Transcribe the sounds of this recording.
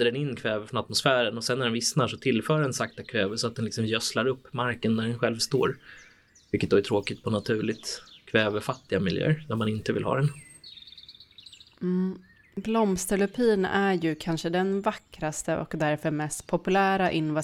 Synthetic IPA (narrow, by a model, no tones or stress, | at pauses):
əɖɛnɪnːkʰvɛːvəɾfɾɔnat̪mʊsfæːɾənɔsɛnːæɖɛnvɪsnaʂɔt̪ʰɪlfœːɖɛnsakt̪akʰvɛːvəsɔat̪̚d̪ɛnlɪksɔmjœslaɾɵpːmaɾkənːæɖɛnɧɛlvst̪o̰ːɾ | vɪlkːət̪̚d̪ɔæʈtʰɾoːkɪt̪pʰɔnat̪ʰʉ̟ːɭɪt̪kʰvɛːvəɾfat̪ːɪɡamɪljø̰ːɾnæɾmanɪnt̪əvɪ̰lhɑ̰ːd̪ɛn | blɔmst̪əɭɵpʰiːnæɾjɵkʰanʂəd̪ɛnvakːɾast̪əʔɔ̰kd̪æɾfœɾmɛst̪pʰɔpɵlæːɾaʔɪnva